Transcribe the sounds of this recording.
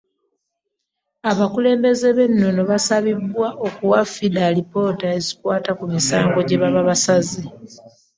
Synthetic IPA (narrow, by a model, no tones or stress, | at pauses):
aβakule̞ːmbe̞ze̞βe̞nno̞no̞βasaβibːwaʔokuwafidalipo̞ːtae̞zikwaːtakumisaːŋɡo̞ɟeβaβaβasazi